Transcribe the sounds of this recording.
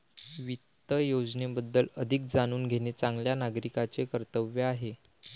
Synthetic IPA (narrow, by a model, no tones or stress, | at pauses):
ʋit̪ːəjod͡znebəd̪ːələd̪ʱik̚d͡zaɽ̃uːnɡʱenet͡saŋɡljanaɡɾikat͡sekəɾt̪əʋjeaɦe